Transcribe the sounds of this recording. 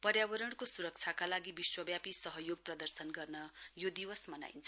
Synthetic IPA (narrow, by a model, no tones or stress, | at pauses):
pʌrjabʌɾʌɽkosuɾʌk̚t͡sʰjakalaɡibiswʌbjapisʌɦʌjoɡ̚prʌd̪ʌrsʌnɡʌrnʌjod̪iwʌsmʌna̰jnt͡sʰʌ